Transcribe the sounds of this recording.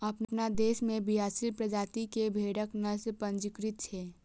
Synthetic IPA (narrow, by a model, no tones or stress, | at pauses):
ɐpnnad̪eːʃmẽbʱiaːsɪlpɾɐd͡ʒaːt̪ikebʱeːɽəknɐspɐ̃ɲd͡ʒɪkɾɪt̪̚t͡ʃʰɛː